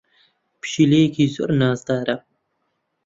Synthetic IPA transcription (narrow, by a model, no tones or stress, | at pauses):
pɕileːkizo̰ɾnaːzt̪aːɾɐ